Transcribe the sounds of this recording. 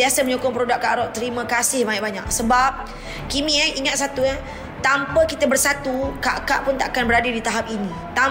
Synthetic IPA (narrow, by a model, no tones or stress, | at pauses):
iasaməɲukʊŋpəɾodaʔ̚kːaʔɾɔʔt̪əɾimə̃kasɪhmaiʔ̚baɲa̰k̚səbap̚ | kimiaiŋat̪̚sat̪ua | t̪ampəkit̪əbərsat̪ukaʔkaʔpʊnt̪aʔakanbəɾadədit̪aɦap̚ini | t̪a